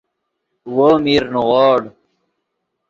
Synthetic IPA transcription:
woːmiːɾnuʁoːɽ

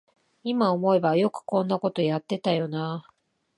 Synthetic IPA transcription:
imaomo̞e̞bajo̞kɯ̟̥kõ̞nːako̞t̪o̞jat̪ːe̞t̪ajo̞na

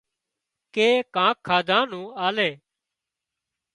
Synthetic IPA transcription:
keːkãːkʰːaːd̪ʱãːnũːaːleː

